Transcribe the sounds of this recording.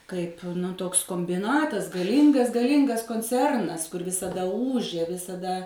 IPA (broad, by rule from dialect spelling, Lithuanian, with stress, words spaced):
ˈkɐɪp ˈtoːks koːmʲbʲɪˈnɑːtɐs ɡɐˈlʲiːŋɡɐs ɡɐˈlʲiːŋɡɐs koːnʲˈt͡sʲɛrnɐs kʊr ʋʲɪsɐˈdɐ ˈuːʒʲeː ʋʲɪsɐˈdɐ